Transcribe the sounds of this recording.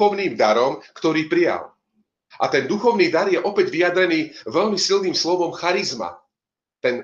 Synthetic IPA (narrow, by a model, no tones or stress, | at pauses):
ɔʊniːmd̪aɾɔmkt̪ɔɾiːpɾija̰l | ʔa̰t̪ɛnd̪uxɔʊniːd̪aɾjɛʔɔpɛɟʋijad̪ɾɛniːʋɛʎmisilniːmslɔʋɔmxaɾizma̰ | t̪ɛn